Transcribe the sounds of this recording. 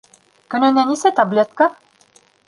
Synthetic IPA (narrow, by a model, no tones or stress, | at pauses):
kɵ̆nɘ̆nænisæt̪ɑblʲet̪kɑ